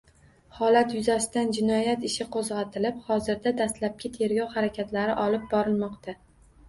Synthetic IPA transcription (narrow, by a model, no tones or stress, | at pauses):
hɒlat̪jʊzasɪd̪and͡ʒɪnɒjat̪ɪʃɪqʰozʁɑt̪ʰɪlɪphɒzɪɾd̪ad̪ast̪lap̚kʲɪt̪ʰe̞ɾɡʲɒwhaɾakʲʰat̪laɾɪʔɒlɪp̚bɒɾɪlmɒqt̪ʰa